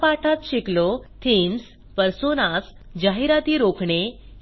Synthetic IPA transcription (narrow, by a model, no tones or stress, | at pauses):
paʈʰat̪ɕiklot̪ʰins | pəɾsonas | d͡ʑaɦiɾat̪iːɾokʰɳe